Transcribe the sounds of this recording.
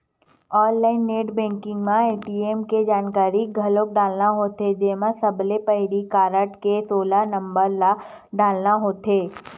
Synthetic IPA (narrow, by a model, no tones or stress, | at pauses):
ɔːnlaːɪnːeːʈbɛ̃ːŋkɪ̃ŋɡmãeːʈiːeːmked͡ʒaːnkaːɾiɡʱɐloːk̚ɖaːlnaɦoːt̪ed͡ʒeːmãsɐblepəɦɾikaːɾəʈkesoːlanɐ̃mbəɾla | ɖaːlnaɦoːt̪eː